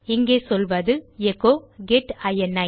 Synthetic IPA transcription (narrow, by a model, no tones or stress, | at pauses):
ɪŋɡeːsɔlʋɐðɯɛkːoːɡeʈɐjɛnːɐɪ